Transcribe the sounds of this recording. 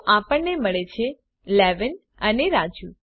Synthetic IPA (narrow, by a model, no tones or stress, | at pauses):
ʔapəɳneməɭet͡ʃʰe | lɛʋən | əneɾad͡ʒju